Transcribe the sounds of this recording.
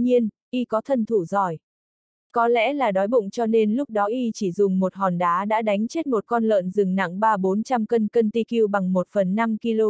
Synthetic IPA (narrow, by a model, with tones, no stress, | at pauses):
ɲi˧ənʔi˧kɔ˨˦t̪ʰə˧nt̪ʰu˧˩zɔ˨˩j | kɔ˨˦lɛ̰˧˥laː˨˩ɗɔ˨˦jɓʊ̰˧˨ŋ͡mt͡ɕɔ˧ne˧nlʊ˦˥k͡p̚ɗɔ˨˦ʔi˧t͡ɕi˧˩zʊ˨˩ŋ͡mmo˨˩t̚ɦɔ˨˩nɗaː˨˦ɗa̰ː˧˥ɗa˨˦jŋ̟t͡ɕe˦˥t̚mo˨˩t̚kɔ˧nlə̰ː˧˨nzɨ˨˩ŋna̰˧˨ŋɓaː˧ɓo˨˦nt͡ɕa˧mkə˧nkə˧nt̪i˧ki˧əwɓa˨˩ŋmo˨˩t̚fə˨˩nːa˧mki˧lo˧